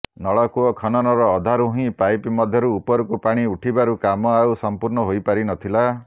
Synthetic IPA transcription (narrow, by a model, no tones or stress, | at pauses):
nɔɭɔkuɔkʰɔnɔnɔɾɔːd̪ʱaɾuɦɦĩpajpmɔd̪ʱjɔɾuːpɔɾukupaɽ̃iuʈʰibaɾukamɔawsɔmpuɾɳɔɦojpaɾinɔt̪ʰila